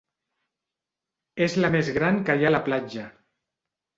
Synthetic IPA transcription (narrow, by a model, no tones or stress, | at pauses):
ezləmezɣɾaŋkəjalaplad͡ʒə